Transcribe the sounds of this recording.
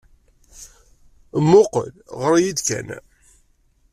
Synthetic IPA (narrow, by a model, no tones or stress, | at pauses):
mːʊqə̰lʁəɾˤajid̪kæ̰n